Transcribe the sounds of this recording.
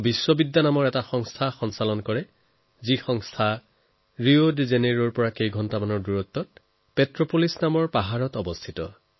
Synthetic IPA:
biswɔbidːanamɔɹɛtaxɔŋstʰaxɔnsalɔnkɔɹɛ | zixɔŋstʰa | ɹiodzeneɹɔɹpɔɹakejɡʱɔntamanɔɹduɹɔt̪ːɔt̚ | petɹopolisnamɔɹpaɦaɹɔtɔbɔstʰitɔ̰

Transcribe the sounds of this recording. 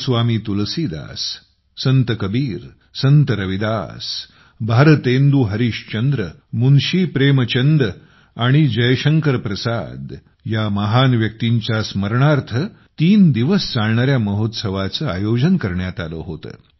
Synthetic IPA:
sʋamiːt̪ulsid̪a̰sː | ənt̪əkəbiːɾ | sənt̪əɾəʋid̪a̰s | bʱaɾət̪end̪uɦəɾiːɕt͡ɕənd̪ɾə | munɕiːpɾemət͡ɕənd̪ə | aɽ̃id͡ʑəjɕəŋkəɾpɾəsa̰d̪ | jaməɦanʋjək̚t̪iɲt͡ɕjasməɾɳaɾt̪ʰət̪iːnd̪iʋəst͡saɭɳaɾjaməɦot̪səʋat͡səːajod͡ʑənkəɾɳjat̪alə̰ɦot̪ə̰ː

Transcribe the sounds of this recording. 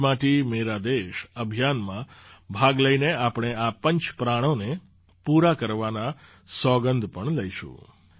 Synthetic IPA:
maʈimeɾad̪eʃəbʱjanmãbʱaɡləineapɽ̃eapəɲt͡ʃpɾaɽ̃one | puɾakəɾʋana | sɔɡənd̪ʱpəɳləiʃṵ̃

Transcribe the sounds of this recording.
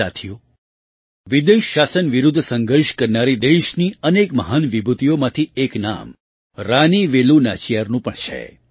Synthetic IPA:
a̰t̪ʰiju | ʋid̪əjʃasənʋiɾud̪ʱːsə̃ŋɡəɾʃkəɾnaɾid̪eʃniənekməɦanʋibʱut̪ijomãt̪ʰiekna̰m | ɾaniʋeluna̰t͡ʃijaɾnũpəɳt͡ʃʰḛ

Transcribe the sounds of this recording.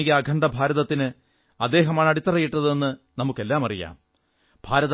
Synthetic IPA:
ikʲːɐːɡʱɐɳɖɐbʱaːɾɐðɐt̪ːinɨ | ɐd̪ːe̞ːɦɐmaːɳɐɽit̪ːɐrɐjːiʈːɐðe̞nːɨnɐmukːe̞lːaːmɐrija̰ːm | b̥ʱaːɾɐð

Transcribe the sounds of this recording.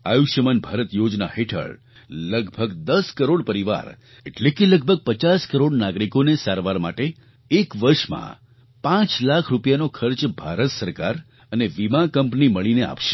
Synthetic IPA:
ajuʃəmənbʱaɾət̪jod͡ʒna̰heʈʰə̰ɭ | ləɡbʱəɡd̪əskəɾoɽpəɾiʋa̰ɾ | eʈlekeləɡ̚bʱəɡ̚pət͡ʃaskəɾoɽnaɡɾikonesaɾʋaɾma̰ʈeː | kʋəɾʃmã̰ | pãt͡ʃlakʰɾupjanokʰəɾt͡ʃbʱaɾət̪səɾkaɾ | əneʋimãkəmpniməɭinea̰pʃe̥

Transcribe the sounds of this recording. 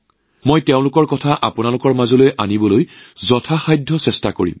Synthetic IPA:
mojteʊ̃lʊkɔɹkɔtʰaʔapʊnalʊkɔɹmazolojʔanibɔlojzɔtʰaxajdʱːɔsɛstako̰ɹḭm

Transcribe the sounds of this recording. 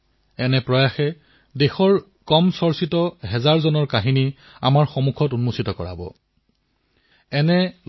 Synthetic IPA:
ɛnɛpɹɔjaxɛ | dexɔɹ | kɔmsɔɹsitɔɦɛzaɹzɔnɔɹkaɦini | a̰maɹxɔmukʰɔtunmusitɔkɔɹa̰bɔ̰ | ɛnɛ

